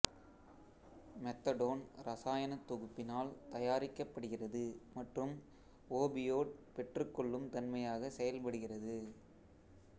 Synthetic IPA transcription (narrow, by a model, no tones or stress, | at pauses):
mɛt̪ːɐɽoːnɾɐsaːjɐnɐt̪ːɔɣɯpːɪnaːlt̪ɐjaːɾɪkːɐpːɐɽɯɣɪrɐðɯmɐʈrɯm | oːbɪjoːʈ̚pɛʈrɯkːɔɭːɯmt̪ɐnmɐjaːɣɐsɛjɐlpɐɽɯɣɪrɐðɯ